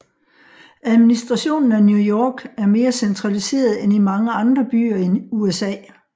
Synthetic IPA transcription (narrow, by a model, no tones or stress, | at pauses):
æð̞ˠminisd̥ʁɑ̈ɕo̝̰ːnn̩ænjujɒːɡ̥æɐme̝ːɐsent͡sʰʁɑ̈lise̝̰ːɐð̞ˠenimɑ̈ŋəɑ̈nd̥ʁɐb̥y̰ːɐenuesɛ̰ː